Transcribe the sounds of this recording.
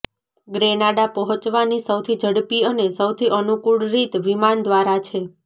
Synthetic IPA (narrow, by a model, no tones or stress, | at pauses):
ɡɾenaɽapəɦɔ̃t͡ʃʋanisəwt̪ʰid͡ʒʱəɽpiənesəwt̪ʰiʔənukuɽɾit̪ʋimand̪ʋaɾat͡ʃʰe